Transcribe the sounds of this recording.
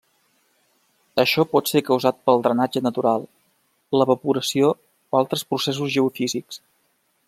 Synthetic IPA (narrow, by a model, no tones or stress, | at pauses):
əʃɔpɔt̪seɾkəwzat̪̚pəlˠd̪ɾənad͡ʒənət̪uɾalˠ | ləβəpuɾəsio | balˠt̪ɾəspɾuses̬uzʒəufiziks